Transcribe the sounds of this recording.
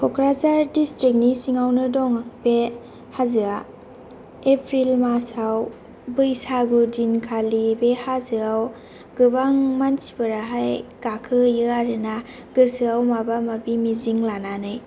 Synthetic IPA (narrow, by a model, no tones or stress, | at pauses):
kʰɔkʰɾazaɾdistɾik̚nisiŋawnɯdɔŋakbe | hazɯa | epʰɾilmasaw | bɯjsaɡudinkʰalibehazɯaw | ɡ̥ɯbaŋmansi̥bɯɾaɦajɡ̥akʰɯjɯaɾɯna | ɡɯsɯawmabamabimiziŋlananɯj